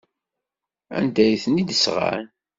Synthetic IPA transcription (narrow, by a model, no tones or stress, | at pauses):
æ̰nd̪æjθnid̪əsʁa̰ɾ